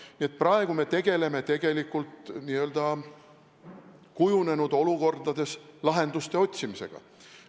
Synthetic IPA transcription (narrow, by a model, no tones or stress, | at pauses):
niet̪̚ˑprɑe̞ɡ̥ume̞t̪e̞ɡ̥e̞le̞me̞t̪e̞ɡ̥e̞likːˑult̪niːø̞ld̪̥ɑ | kujune̞nud̪o̞luko̞rd̪ɑd̪e̞slɑɦe̞nd̪̥ust̪e̞o̞t̪ʲsimise̞̰ɡ̥ɑ̰